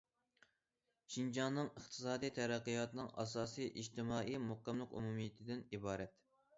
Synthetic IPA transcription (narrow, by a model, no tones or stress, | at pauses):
ʃind͡ʒɑnːɨŋəχt̪ʰɨ̥sɑːd̪ijt̪ʰɛɾæqːijɑt̪ɨnɨŋʔɑ̰sɑːsɨjʔiʒt̪ɪmɑːʔijmukːɛmlˠɨqṵmumijɪt̪ʰɪd̪ɪnibɑːɾɛt̪